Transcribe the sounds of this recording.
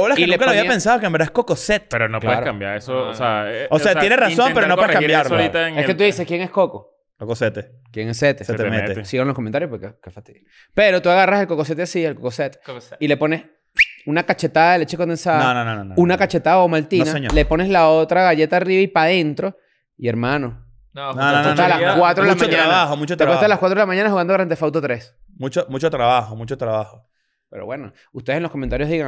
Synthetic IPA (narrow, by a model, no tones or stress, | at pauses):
oolakieleŋkaloaβiapensaðokeambɾaehkokoset̪e̥eɾonopkleeaɾokambja̰ɾesooseaose̞at̪jeneraso̞mpeɾonoweekambjaɾɾit̪aeket̪uðiseskje̞ŋesko̞ko | kokoset̪e | kjeŋeset̪eset̪emet̪esiɣanlokoment̪aɾjopoɾkokekefat̪i | pe̞ɾo̞t̪uaɣarase̞lko̞kos̬e̞t̪easielkokoset̪e̥ile̞po̞nes | unakat͡ʃe̞t̪aðaðelet͡ʃekond̪ensaðnononõnonunakat͡ʃe̞t̪aðaomalt̪inaseɲlepo̞neslao̞t̪ɾaɣaʝe̞t̪aːriβaipaðe̞nt̪ɾo̞ | ieɾmãno | nnooet̪aalaskwat̪ɾoelamaɲaɾ̃βahomut͡ʃot̪ekwet̪aalakwat̪ɾoelamãɲanahuɣand̪oɾant̪̬efawt̪̬ot̪ɾe̞smũt͡ʃomut͡ʃot̪ɾaβaxomut͡ʃot̪ɾaβaho | peɾo̰βwe̞no | ust̪eesenlokoment̪aɾjoðiɣaŋ